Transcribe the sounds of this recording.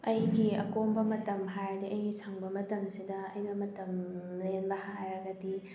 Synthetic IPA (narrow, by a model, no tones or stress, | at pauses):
ɐjɡiɐkombɐmɐtɐmɦajdiʔɐjɡisʰaŋbɐmɐtɐmsidɐɐjnɐmɐtɐmlenbɐhajɾɐɡɐdi